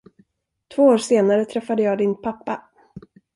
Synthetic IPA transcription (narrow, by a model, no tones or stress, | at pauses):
t̪ʰvoːoːɾʂeːnaɾət̪ʰɾɛfːad̪əjɑːd̪ɪnpʰapːa